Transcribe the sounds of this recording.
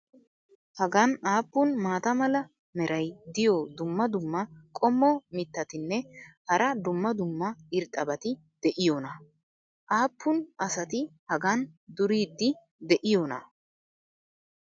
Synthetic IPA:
hɐɡɐnaːpːʊnmaːt̪ɐmɐlɐ | mɛɾɐjd̪ɪjɔd̪ʊmːɐd̪ʊmːɐkʼɔmːɔmɪt̪ːɐt̪ɪnːɛhɐɾɐd̪ʊmːɐd̪ʊmːɐɪɾt̪ʼːɐbɐt̪ɪ | d̪̥ɛʔɪjoːnɐ | ʔaːpʰːʊnʔɐsɐt̪ɪhɐɡɐnd̪ʊɾiːd̪ːɪ | d̪ɛʔɪjonɐ̰

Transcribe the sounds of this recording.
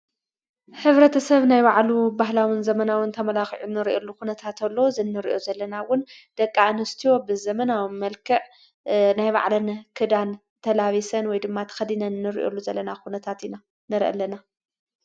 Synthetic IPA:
hɨβɾɐt̪ʰɐsɐβnajbaʕlubaɦlawɨnzɐmɐnawɨnt̪ʰɐmɐlaxiʕunɨɾʔelːukunɐt̪ʰat̪ʰɐlːozɨnːɨɾḭʔo̞zɐlːɐnawʊnd̪̥ɐkʼːanɨst̪ʰijo̞bɨzɐmɐnawmɐlkʰɐʕ | najβa̰ʕlɐnɐkʰɨd̪an | t̪ʰɐlaβisɐnwɔjd̪ɨmːat̪ʰɐ̥xɐd̪inɐnːɨɾḭʔo̰lːuzɐlːɐnakunɐt̪ʰat̪ina | nɨɾʔɐ̰lɐna

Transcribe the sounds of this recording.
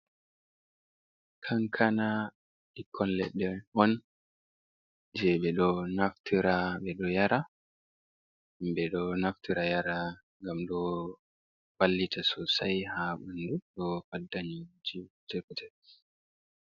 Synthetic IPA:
kʰaŋkʰana | ɗikʰːɔnlɛ̰ɗːɛʔɔn | d͡ʒɛɓɛɗɔnaftʰiɾaɓɛɗɔjaɾa | bɛɗɔnaftiɾajaɾa | ŋɡamɗɔ | falːitasɔsajhaɓunduɗɔfadːaɲid͡ʒitɛkutɛ

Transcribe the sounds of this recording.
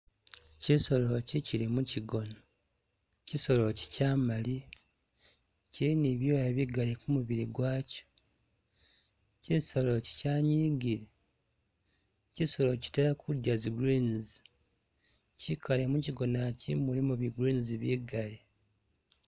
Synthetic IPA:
ciso̞lo̞ciciɾimuciɡo̞no | ciso̞lo̞ci̥caːmali | ciiniβjo̞ːjaβiɡalekumuβiɾiɡwaːco̥ | ciso̞lo̞ci̥caːɲiːɡiɾi | ciso̞loci̥teɾakʰudjaziɡɾiːnzi | cikalemuciɡo̞nacḭmulimuβiɡɾiːnziβiɡale

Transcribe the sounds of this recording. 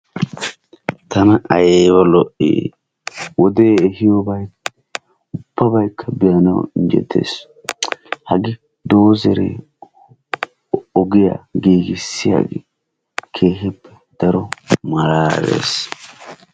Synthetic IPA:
t̪ɐnɐʔɐjeːbɐlɔʔḭː | wɔd̪eːɛhɪjɔbɐj | ʊb̥ːɐbɐjkʰːɐbɪjɐnɐ̰wɪnd͡ʒɛ̰t̪ʰːḛːs | hɐɡɪ | d̪o̞ːzɛɾḛ | ɔɡɪja̰ɡiːɡɪsːɪja̰ɡɪ̰ | kʰe̞ːɦɪpːɛ̥ | d̪̥ɐɾɔmɐɾaːɾḛːs

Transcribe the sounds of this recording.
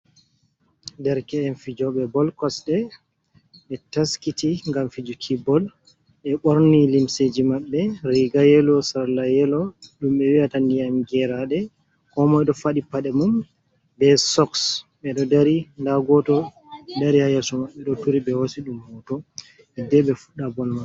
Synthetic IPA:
dɛɾkɛːnfid͡ʒɔɓɛbɔlkɔsɗɛ | ɓɛtaskitiŋɡamfid͡ʒukʰibɔl | ɓɛɓoɾnilimsed͡ʒimaɓːɛɾiɡajɛlɔsaɾlajɛlɔɗumɓɛwiatandijamɡɛɾaɗɛ | kɔmɔɛɗɔfaɗipaɗɛmum | bɛsɔksɓɛɗɔdaɾindaɡɔtɔ | daɾihajasɔmaɓːɛɗɔtuɾiɓɛhosiɗumhɔtɔ | ɛdɛɓɛfuɗːabɔlmaɛ

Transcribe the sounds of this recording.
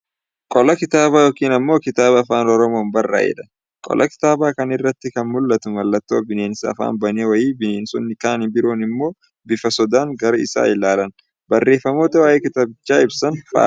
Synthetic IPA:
kʼɔlɐkɪt̪aːbaːjoːkiːnɐmːo̞ːkɪt̪aːbɐːfaːnɔɾɔmo̞ːnbɐrːa̰ːjɛ̰ᶑ̪ɐ̥ | kʼɔ̰lʔɐkɪ̥t̪aːbaːkɐnɪrːɐt̪ːɪkɐnmʊlːɐt̪ʊmɐlːɐt̪ːoːbɪne̞ːnsɐɐ̰fa̰ːnbɐneːwɐjiːbɪneːnsɔnːɪkaːnɪbɪɾo̞ːnɪmːo̞ː | bɪfɐsɔd̪aːŋɡɐɾɐɪ̰sa̰ːɪlaːlɐn | bɐrːe̞ːfːɐmo̞ːt̪ɐwaːjeːkɪt̪aːbɪt͡ʃːaːɪbsɐnfɐ̰

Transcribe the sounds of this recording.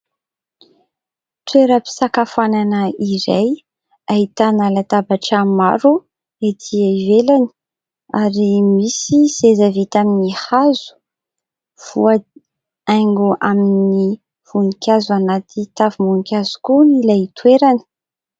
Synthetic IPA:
t̪weɾəpi̥sakafananəiɾaj | ait̪analat̪abaʈ͡ʂamaɾu | et̪ʰiaivelani̥ | aɾimisisezavit̪aminihazu̥ | v̥uə | ajŋɡuʔamini | v̥unikʲazuanat̪ʰit̪avimunikʲazu̥kunilat̪ʰweɾani̥

